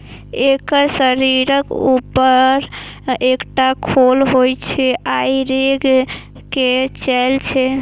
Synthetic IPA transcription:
ekəɾsəɾiɾəkupəɾekʈakʰolɦojt͡ʃʰɛʔajɾeɡ | ket͡ʃɛlt͡ʃʰɛ

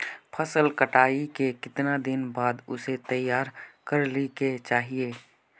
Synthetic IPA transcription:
pʰəsəlkəʈaːikekɪt̪nad̪ɪnbaːd̪ʊ̰set̪ɐjːaːɾkɐɾliket͡ʃaːɦieː

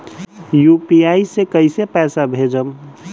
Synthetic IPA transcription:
jupiaisekəɪsepɛːsabʱed͡ʒəm

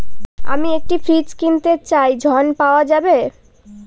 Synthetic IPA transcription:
a̰miek̚ʈifʰɾid͡ʑkint̪et͡ɕajd͡ʑʱɔnpaoad͡ʑabe

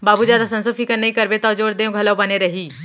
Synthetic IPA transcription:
baːbuːd͡ʒaːd̪aːsənsopʰiːkəɾneikəɾbeːt̪aːd͡ʒoːɾd̪eːõːɡʱəloːbəneːɾəɦiː

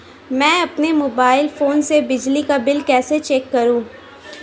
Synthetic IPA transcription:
mɛ̃ːɐpnemoːbaːɪlfoːnsebɪd͡ʒlikabɪlkɛːset͡ʃɛːkːɐɾũː

